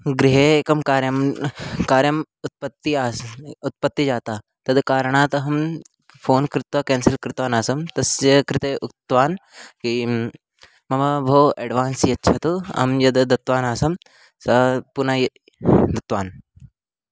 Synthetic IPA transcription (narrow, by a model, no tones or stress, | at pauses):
ɡɾiɦekɐmkaːɾjɐmkaːɾjɐm | ut̪̚pɐt̪ːiaːut̪̚pɐt̪ːid͡ʒaːt̪aː | t̪ɐd̪kaːɾɐɳ̃aːt̪ɦɐm | pʰoːnkɾɪt̪ʋɐkeːnsɐlkɾɪt̪ʋaːnaːsɐmt̪ɐsjɐkɾɪt̪eʔut̪ːʋaːnki | mɐʋabʱoːʔeɖʋaːnsiɐtːʃʰɐt̪uɐ̰mjɐd̪d̪ɐt̪ʋaːnaːsɐm | sɐpunaj | d̪ɐt̪ʋaːn